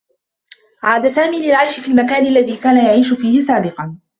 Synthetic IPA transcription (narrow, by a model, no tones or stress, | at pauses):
ʕaːd̪asaːmiːlɪlʕajʃɪfiːlmakaːnʔalːaðiːkaːnajaʕiːʃʊfiːhɪsaːbɪqɑn